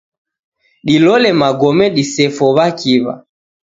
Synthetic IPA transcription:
ɗilɔlɛmaɡɔmɛɗisɛfɔβakiβa̰

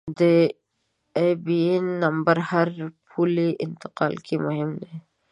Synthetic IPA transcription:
d̪ə | ebienːɐmbaɾhaɾpʰuliʔɪ̰nt̪ɪ̥qɑːlkʰimʊɦɪmd̪e

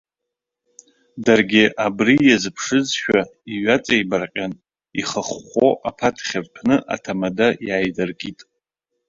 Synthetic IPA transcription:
darɡʲɪʔabrijazpʰʂɨd͡zʃᶣaiɥat͡sʼejbarqʲʼan | iχəχːʷoʔapʰatʰχʲarpʰnɨʔa̰tʰamadajaːjdarkʼitʼ

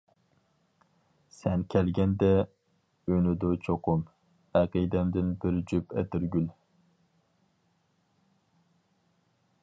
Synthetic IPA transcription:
sɛnkʲʰɛlɡʲɛnd̪ɛ | ønɪd̪ot͡ʃʰoqʰʊm | æqijd̪ɛmd̪ɪnbɪɾd͡ʒypɛt̪ɪɾɡʲyl

